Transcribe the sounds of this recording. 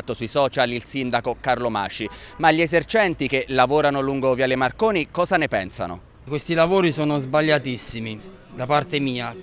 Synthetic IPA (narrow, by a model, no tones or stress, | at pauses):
t̪ːosuisɔːt͡ʃalilsind̪akokarloma̰ːt͡ʃimaʎːiɛzert͡ʃɛnt̪ikelavoːɾanoluŋɡovialɪmarkoːnikɔːzanepɛnsa̰no̰ | kwest̪ilavoːɾisoːnozbaʎːat̪isːimi | d̪apart̪emiːa